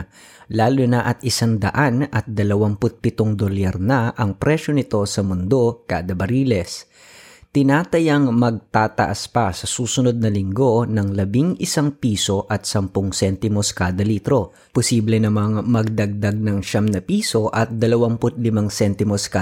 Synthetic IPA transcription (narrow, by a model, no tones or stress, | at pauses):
laːlunɐʔɐt̪̚ʔɪsaŋd̪ɐʔanɐt̪̚d̪ɐlɐwaŋpʊt̪̚pɪt̪oŋd̪olɛɾnɐʔɐŋpɾɛʃo̞nɪt̪o̞sɐmʊnd̪o̞kaːd̪ɐbɐɾiːlɛs | t̪ɪnaːt̪ɐjɐŋmɐɡ̚t̪aːt̪ɐ̰ʔaspɐsɐsuːsʊno̞d̪̚nɐlɪŋɡo̞nɐŋlɐbiŋʔɪsaŋpiːso̞ʔɐt̪̚sɐmpoŋsɛnt̪ɪmoskaːd̪ɐliːt̪ɾo̞ | pʊsiːblɛnɐmaŋmɐɡ̚d̪ɐɡ̚d̪aɡ̚nɐŋʃamnɐpiːso̞ʔɐt̪̚d̪ɐlɐwampʊt̪̚lɪmaŋsɛnt̪ɪmoska